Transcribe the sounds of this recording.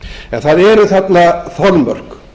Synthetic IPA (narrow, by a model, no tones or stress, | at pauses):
ɛnθaðɛɾʏθat̪nafɔɾmœ̰r̥k